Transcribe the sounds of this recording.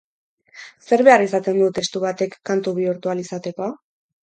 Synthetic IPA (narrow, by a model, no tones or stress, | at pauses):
se̞ɾβe̞arisat̪e̞nd̪ut̪e̞st̪uβat̪e̞kːant̪uβiuɾt̪ualisat̪e̞ko̞a